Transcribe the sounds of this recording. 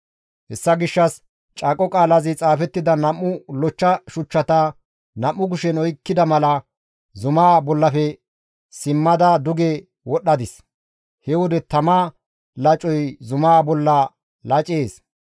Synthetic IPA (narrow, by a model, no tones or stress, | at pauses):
hɛsːɐɡɪʃːɐs | t͡ʃʼaːkʼːɔkʼaːlɐzɪt͡sʼaːfɛt̪ːɪd̪ɐnɐmːʊlɔt͡ʃːɐʃʊt͡ʃːɐt̪ɐ | nɐmːʊɡʊʃɛnɔjkːɪd̪ɐmɐlɐ | zʊmaːbɔlːɐfɛ | sɪmːɐd̪ad̪ʊɡe | wɔɗːɐd̪ɪs | hɛwɔd̪ɛt̪ɐma | lɐt͡ʃʼɔjzʊmaːbɔlːɐ | lɐt͡ʃʼeːs